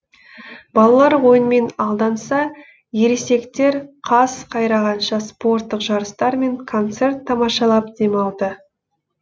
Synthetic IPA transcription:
bɑlˠɑlˠɑɾwo̞jənme̞nɑlˠd̪ɑnsɑ | je̞ɾese̞kt̪e̞ɾqʰɑsqʰɑjɾɑʁɑnʃɑspo̞rt̪ːəqʒɑɾəst̪ɑɾme̞ŋkʰo̞nt̪se̞rt̪ʰːɑmɑʃɑlˠɑp̚d̪e̞mɑlˠd̪ə

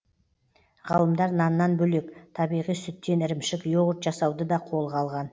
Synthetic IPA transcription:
ʁɑlˠəmd̪ɑɾnɑnːɑnbɵle̞kt̪ʰɑbijʁijsʏt̪ːe̞nɪɾɪmʃɪkjoʁət̪ʒɑsɑwd̪əd̪ɑqʰo̞lˠʁʰɑlˠʁɑn

